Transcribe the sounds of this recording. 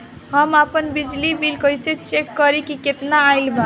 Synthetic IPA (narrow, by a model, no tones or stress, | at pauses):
ɦəmapənbid͡ʒlibilkəjt͡ʃʰẽt͡ʃekːəɾikiket̪naːɪlbʱa